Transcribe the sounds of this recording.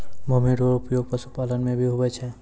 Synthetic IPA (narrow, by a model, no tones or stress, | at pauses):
bʱumiɖoɾʊpjoːɡ̚pəsupaːlənmẽbʱiɦobɛt͡ʃʰɛ